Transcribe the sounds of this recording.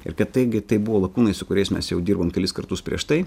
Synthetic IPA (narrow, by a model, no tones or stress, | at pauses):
ɪ̰ɾkɐt̪t̪ɐɪɡʲɪt̪ɐɪbʊʋoːlˠɐkuːnɐɪsʊkʊɾʲɛɪsmʲɛsjɛʊd̪ʲiːɾboːmkʲɛlʲɪskɐɾt̪ʊspʲɾʲḭɛʃt̪ɐɪ